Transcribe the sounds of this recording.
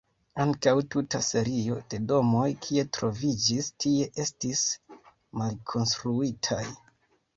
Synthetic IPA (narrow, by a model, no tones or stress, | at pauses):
aŋkawtutase̞ɾio̞de̞do̞mo̞jkʰie̞tɾo̞vid͡ʒistʰie̞ʔe̞stis | malkʰo̞nstɾuitʰaj